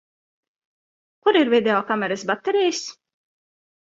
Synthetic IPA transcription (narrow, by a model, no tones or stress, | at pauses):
kuɾiɾvid̪ʲeɔːkamɛɾɨsbat̪ːɛɾijs